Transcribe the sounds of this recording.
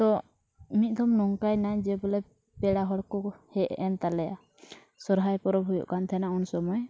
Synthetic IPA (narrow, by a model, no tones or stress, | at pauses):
t̪ɔ | mit̪̚ˀd̪ɔmnɔŋkajnaɲd͡ʒɛbɔlɛ | pɛɽaɦɔɽkɔhɛʔɛnt̪alɛja | sɔɾɦajpɔɾɔbʱujɔ̰ʔkant̪ʰɛnaunsɔmɔj